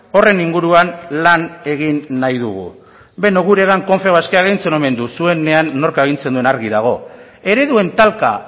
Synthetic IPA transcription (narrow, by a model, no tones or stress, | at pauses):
o̞re̞niŋɡuɾuanlane̞ɣ̞inːajð̞uɣṵ | be̞noɣuɾe̞ɣaŋko̞ɱfe̞βaskeaɣejnt͡se̞no̞me̞nd̪usue̞ne̞anːo̞ɾkaeɣint͡se̞nd̪ue̞naɾɣiðaɣ̞o̞ | e̞ɾe̞ðue̞nt̪alka̰